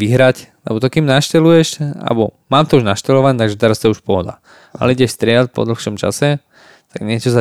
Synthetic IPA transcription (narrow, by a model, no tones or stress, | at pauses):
ʋiɦɾaclɛ̰bɔt̪ɔkimnaʃcɛlujɛʃa̰lɛbɔmaːmt̪ɔuʒnaʃcɛlɔʋaɲɛt̪aɡʒɛt̪ɛɾast̪ɔɛuʃpɔɦɔd̪a̰ | ʔa̰lɛiɟɛʃst̪ɾɪɛtpɔ̰d̪l̩xʃɔmt͡ʃa̰sɛ | t̪aɡɲɪɛt͡ʃɔza